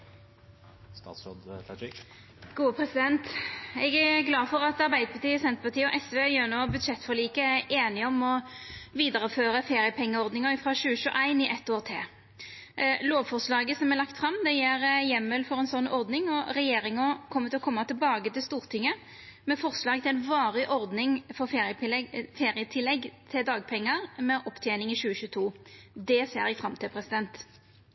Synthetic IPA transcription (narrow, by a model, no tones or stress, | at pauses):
st̪ɑ̰ːsod̪fɛɪ | ɡ̥uːəpʰɾɛsɪd̪ɛnt̪ɛɡæɡlɑːfɔʁɑt̪ɑʁbæɪd̪əpʰɑt̪iːsɛnt̪əpɑt̪ʰiːəɔʔɛsʋeːjøːnoːbʉd̪ʃɛt̪ːfɔʁliːkəæʔeːnɪɔmɔʋiːd̪əʁəføːʁəfeːɾɪjəpʰɛŋːəɔʁd̪nɪŋəɪfʁɑʃʉːəʃʉːʔæɪnɪʔɛt̪ːoːʁt̪ʰɪ̰l | loːʋfɔʁslɑːɡəsɔmɛlɑkt̪fʁɑmd̪ɛjeːɾjɛmːəlfɔɾɛɪnsɔnːɔʁd̪nɪŋɔɾɛjeːɾɪŋəkʰɔmːət̪ɪɔkʰɔmːɑt̪ʰɪlbɑːɡət̪ɪlst̪uːʁt̪ʰɪŋːə | mɛfɔʁslɑːɡt̪ɪlæɪnʋɑːʁɪʔɔɾd̪nɪŋfɔʁfeːʁɪjəɪlfeːʁɪət̪ʰɪlːɛɡt̪ʰɪld̪ɑːɡ̚pʰɛŋːəʁmɛʔɔpːt̪ʰjɛːnɪŋɪɕʉːəɕʉːt̪ʰuːd̪ɛsḛːɾjɛɡfʁɑmt̪ʰɪlpʰɾɛsɪd̪ɛnt̪